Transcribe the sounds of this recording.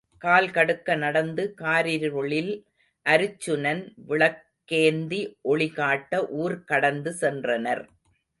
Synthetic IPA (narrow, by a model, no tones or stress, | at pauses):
kaːlkɐɽɯkːɐnɐɽɐnd̪ɯkaːɾiɾɾɔɭɪl | ʔɐɾɯt͡ʃːɯnɐnʋɪɭɐkːeːnd̪iʔɔɭɪɣaːʈːɐʔuːɾkɐɽɐnd̪ɯsɛndrɐnɐɾ